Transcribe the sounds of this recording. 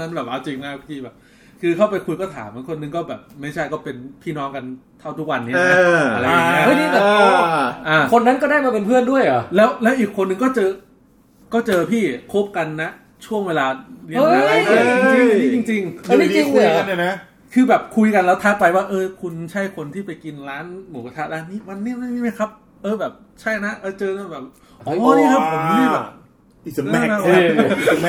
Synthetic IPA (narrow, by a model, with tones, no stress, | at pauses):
na˦˥nbɛː˨˩p̚ʔa˧wt͡ɕi˧ŋna˦˥pʰiː˥˩bɛː˨˩p̚ | kʰɯː˧kʰa˥˩wpa˧jkʰu˧jkɔː˥˩t̪ʰa̰ː˩˦ma˦˩kʰo˧nːɯ˨˩ŋkɔː˥˩bɛː˨˩p̚ma˥˩jt͡ɕʰa˥˩jkɔː˥˩pe˧npʰiː˥˩nɔː˦˥ŋka˧nt̪ʰa˥˩wt̪ʰu˦˥k̚wa˧nːi˦˥˨a˦˥˧a˧ɾa˧ja˨˧˩o˥˩niː˥˩bɛː˨˩˧ʔaː˧˩kʰo˧nːa˦˥nkɔ˥˩daː˥˩jmaː˧˩pe˧npʰɯ˥˩əndu˥˩əjʔa̰˨˩lɛː˦˥wlɛː˦˥wʔiː˨˩kʰːo˧nːɯ˧ŋkɔː˥˩t͡ɕɤː˧ | kɔː˥˩t͡ɕɤː˧pʰiː˥˩kʰo˦˥p̚ka˧nːa˦˥ | t͡ɕʰu˥˩əŋweː˧laː˧liː˦˥˧aː˦a˧˩a˥˩˧i˥t͡ɕi˧ŋt͡ɕi˧ŋa˧i˧t͡ɕi˧ŋː˧˩˥na˦˥ | kʰɯː˧bɛː˨˩p̚kʰu˧jka˧nlɛː˦˥wt̪ʰa˦˥t̚pa˧jwaː˥˩ʔɤː˧kʰu˧nt͡ɕʰa˦˥˩jkʰo˧nt̪ʰiː˥˩pa˧jki˧nɾaː˦˥nmoː˨˩˦ka˧˩tʰa˦˥˩laː˦˥˩nniː˦˥˩ma˧nːi˦˥˩ma˥˩jma˥˩ma˥˩jkʰa˦˥p̚ | ʔɤː˧bɛː˨˩p̚ | t͡ɕʰa˥˩jna˦˥ʔɤː˧˩t͡ɕɤː˧na˧˩bɛː˨˩p̚ | ʔɔː˨˧˦niː˥˩kʰa˦˥pʰːo˨˩˦mniː˦˥˩bɛː˨˩p̚ | ʔi˨˩sa˨˦m˦˥˧na˦˥˦m˥